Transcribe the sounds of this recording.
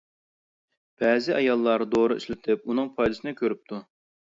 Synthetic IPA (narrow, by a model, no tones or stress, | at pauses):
b̥ɛːzɪʔɑjɑlˠːɑɾd̪oɾʊy̰ʃlɪt̪ʰɪp̚unɨŋpʰɑjd̪ɨsɨnɨkʲʰøɾyp̚t̪ʰu